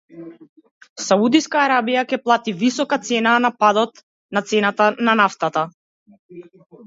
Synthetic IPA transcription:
saud̪iskaːɾabijakɛplˠat̪ivisɔkat̪sɛnanapad̪ɔt̪ | nat̪sɛnat̪ananaft̪at̪a

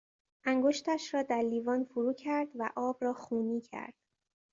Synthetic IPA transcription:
ʔæŋɡoʃt̪ʰæʃɾɒːd̪æɾliːvɒːnfuɾuːcʰæɾd̪væʔɒːbrɒːxuːniːcʰæ̰ɾd̪̥

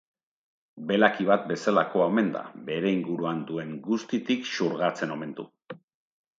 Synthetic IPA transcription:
be̞lakiβ̞at̪̚be̞salako̞aome̞nd̪a̰be̞ɾe̞iŋɡuɾuand̪ue̞ŋɡust̪it̪ikʃuɾɣat͡se̞no̞me̞nt̪ṵ

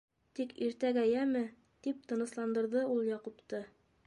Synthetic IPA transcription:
t̪ikiɾt̪æɡæjæmɘ | t̪ip̚t̪ɤ̆nɤ̆slˠɑnd̪ɤ̆ɾðɤulˠjɑqupt̪ɤ

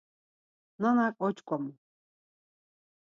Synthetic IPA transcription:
nanakʼɔt͡ʃʰʼkʷʼɔm

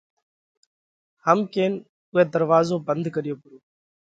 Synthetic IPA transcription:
həmkeːn | ʊɦeːd̪əɾʋaːzoːbənd̪ʱkəɾɪjoːpʊɾoː

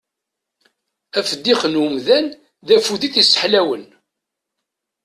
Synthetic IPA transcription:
æfəd̪ːiχənəmðæn | ðæfuðiθisːə̥ħlæwən

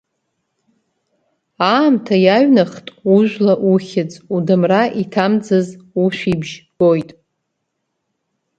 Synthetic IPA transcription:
aːmtʰajaɥnaχtʼuʒʷᶣlaʔuχʲɪt͡sʼudɨmraʔitʰamd͡zɨzuʃʷibʒɡ̥ojtʼ

